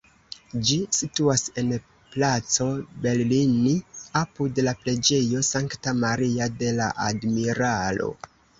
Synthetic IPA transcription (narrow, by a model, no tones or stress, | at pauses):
d͡ʒisituase̞n | plat͡so̞be̞ɾliniapudlaple̞d͡ʒe̞jo̞saŋktamaɾiade̞la̰ʔadmiɾalo̞̰